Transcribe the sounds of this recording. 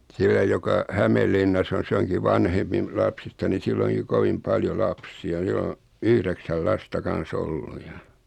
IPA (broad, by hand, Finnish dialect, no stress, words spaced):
silːæ jokɑ hæmelːinːɑsː on̞ s oŋki ʋɑnhempi m lɑpsistɑ ni silː oŋki koʋim pɑljo lɑpsiɑ sil o yhɾeksæl lɑstɑ kɑn̞s olːu jɑ